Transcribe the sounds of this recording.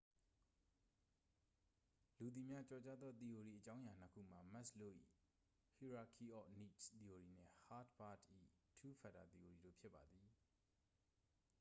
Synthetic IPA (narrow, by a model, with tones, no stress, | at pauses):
lu˨t̪̬i˨mja˦t͡ɕɔ˨t͡ɕa˦d̪ðɔ˦t̪i˨o˨ɾi˨ʔət͡ɕã˦ʊ̃ja˨n̥əkʰṵ˦˨m̥a˨ma˦slo˦˨ʔḭ˦˨ | hi˨ɹa˨kʰi˨ʔɔ˦˨ni˦˨tt̪i˨o˨ɾi˨n̥ɪ̰̃˦˨ha˦dba˦˨dʔḭ˦˨tʰu˦pʰa˨da̰˨t̪i˨o˨ɾi˨do̰˦˨pʰjɪ˦pːa˨d̪i˨